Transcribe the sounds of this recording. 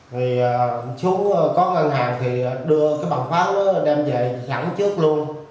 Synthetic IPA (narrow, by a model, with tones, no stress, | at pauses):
vi˨˩əː˨˩su˨˦ŋ͡mə˨˩kɔ˨˦ʔa˧˩ŋnɦaː˨˩ŋt̪ʰi˨˩˨ɗɨ˧əkaː˨˦jɓa̰ː˧˨˩ŋfaː˦˥t̚nɔ˨˦ɗɛ˧mzə̰˧˨˩jza̰ː˧˩ŋt͡ɕɨ˦˥ək̚lu˧ən